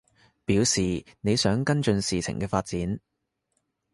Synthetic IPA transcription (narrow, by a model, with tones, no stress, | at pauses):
piː˨˥wsiː˨˩ne˨˧jsœː˨˥ŋkɐ˥nt͡ʃɵ˧nsiː˨t͡sʰɪ̰˨˩ŋkɛː˧faː˧t̚t͡siː˨˥n